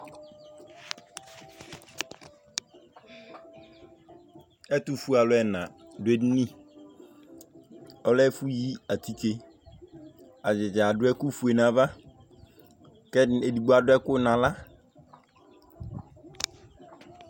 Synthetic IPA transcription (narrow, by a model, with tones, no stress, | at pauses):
ɛ˦t̪u˦fu˦a˨lʊ˨˦ɛ˨nã˨dʊ˨˦e˦dnĩ˦˨ | ɔ˦lɛ˦fu˦ji˦a˨t̪i˦te˦ | a˨d͡ʒɪ˨d͡ʒa˨ɖʊ˦ɛ˦ku˦fu˨e˨nã˨va˦ | kɛ˦e˨di˨ɡ͡bo˦a˨dʊ˦ɛ˦kʊ˦nã˨la˦